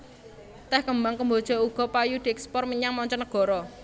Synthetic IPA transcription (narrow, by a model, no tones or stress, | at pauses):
t̪ɛhkəmbaŋkəmbod̥ʒ̥ɔ̤uɡ̥ɔ̤pajud̪̥iɛkspɔrməɲaŋmɔɲt͡ʃɔnəɡ̥ɔ̤ɾɔ